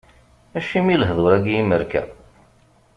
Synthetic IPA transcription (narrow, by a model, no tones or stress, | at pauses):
æʃimiləɦðˤoɾæɡjiməɾkæ̰